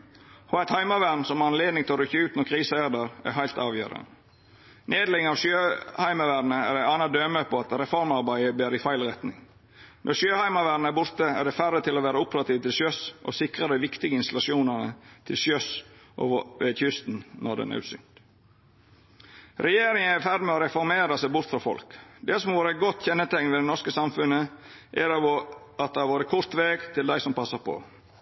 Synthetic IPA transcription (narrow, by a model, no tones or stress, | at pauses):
hɔæɪt̪hɑɪmɑʋænsɔmɑɾɑnleːd̪nɪŋt̪ʰɪloːɾʏçːəʉːt̪nɔɾkʰʁɾiːsəæd̪əɾæ̰ɾɦæɪt̪ɑːʋjø̰ːɾə̰n | nʔeːd̪lɪŋɑʋsjøːhæɪmɑʋæːɾnəædæɪɑːnɑd̪øːməpʰoːɑt̪ɾɛfɔɾmɑɾbæɪəbæːɾɪfæɪlʁɛt̪nɪ̰ŋ | nʔɔʂjøːhæɪmɑʋæːɖn̩əəbʊɾt̪əæ̰ɖ̪ɛfærːət̪ʰɪloʋæːɾəʊpəɾɑt̪iːʋt̪ʰɪlsøsʔɔ̰sɪkɾəd̪æɪʋɪkt̪ɪɡəɪnst̪ɑlɑʃuːnənə̰t̪ʰɪlsjøsʔo̰ːʋəʋeçʏst̪n̩nʔɔɖ̪ɛ̰næ̰ɾʉsʏ̰ŋt̪ | ɾɛjeːɾɪŋəæfæd̪mɛɔɾɛfɔɾmeːɾɑsæɪbʊɾt̪fɾɑːfɔ̰lkd̪ɛsɔmɔʋoːɾəæɡɔt̪ːçɛnːət̪ʰɛŋʋɛd̪ɛnɔɾskəsɑmfʉnːəʔæɾ | ɑt̪̚d̪ɛhɑɾʋoːɾəkʰʊɾt̪ʋeːɡt̪ʰɪld̪æɪsɔmpʰɑsːɑpʰɔ̰